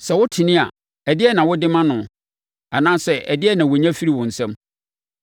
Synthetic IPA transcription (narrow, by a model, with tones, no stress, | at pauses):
sɛ˨wʊ˦tʰɪ˨nɪ̃˦a˨ | ɛ˨dɪ˦ɛ˦nã˨wʊ˦dɪ˦mã˦nʊ̃˨ | a˨nãː˦sɛ˦˨ʔɛ˨dɪ˦ɛ˦nã˨wo˨ɲã˦fi˦ɾi˦wʊ̃˨n̩˨sɛ̃˦m